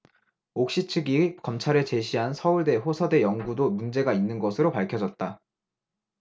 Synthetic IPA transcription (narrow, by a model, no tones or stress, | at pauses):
ok̚ɕ͈it͡ɕʰɯɡikʌmt͡ɕʰaɾe̞t͡ɕe̞ɕʰiɦansʰʌuɭde̞ɸosʰʌde̞jʌŋɡudomund͡ʑe̞ɡainːɯnɡʌsʰɯɾopaɭkʰjʌd͡ʑʌt̚t͈a